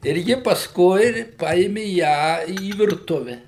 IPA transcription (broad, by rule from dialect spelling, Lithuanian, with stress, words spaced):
ɪr ˈjɪ pɐsˈkʊɪ ˈpɐeːmʲɪ ˈjæː iː ʋʲɪrˈtʊʋʲɛ